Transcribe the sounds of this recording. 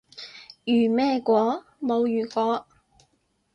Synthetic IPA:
jyː˨˩mɛː˥˧kʷɔː˨˥ | mo˨˧wjyː˨˩kʷɔː˨˥

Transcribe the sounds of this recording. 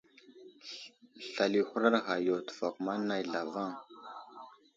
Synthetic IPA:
ɬa˨li˨xu˦ɾa˦ɾɣa˨jo˨tu̥˨fa˨kma˦nːa˦jɮa˨va˦ŋ

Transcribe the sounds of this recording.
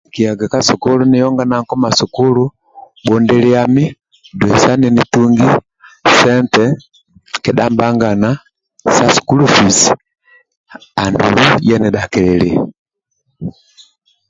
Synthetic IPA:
ki˨a˨ɡa˨ka˦su˨ku˦lu˦ni˦jɔ˦ŋɡa˦na˦ŋkɔ˦ma˨su˨ku˦lu˦ | ɓɔ˨ndɛli˦ami˦ | dwɛ˨sa˦ni˨ni˦tuŋɡi˦ | sɛ˦ntɛ | kɛ˨da˦mba˦ŋɡa˨na | sa˦su̥˨kulufi˨s | a˨ndṵlujɛ˦nɛda˨kɛlɛli˨

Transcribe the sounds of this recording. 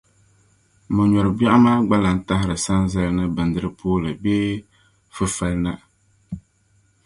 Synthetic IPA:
mɨ˨ɲɔ˨ɾɨ˨ba˦ʔa˦maː˦ɡ͡ba˦la˨n̩˦ta˦ɦɪ˦ɾɨ˨sa˦nzɛ˦lnɨ˦bɨ˨n̩˨dɨ˦ɾɨ˦pʰoː˦lɨ˨beː˦ | fɨ˦fa˦lna˦

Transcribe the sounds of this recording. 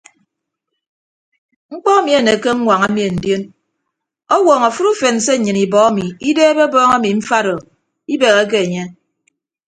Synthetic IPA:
ŋ͡m̩˦k͡pɔ˦a˦mi˨e˨ne˨ke˦ŋ̩˦ŋʷa˨ŋa˦mi˨e˨n̩˨dje˦n | ɔ˦wɔ˨ŋa˨fu˦ɾu˦fe˨n̩˨se˦˨ɲɨ˨ni˨bɔ˨˦a˦mi˨i˦deː˦be˦bɔː˦ŋa˦mi˨ɱ̩˦fa˦ɾɔ˨ | i˦be˨ɣe˦k̬e˦e˨ɲe˦

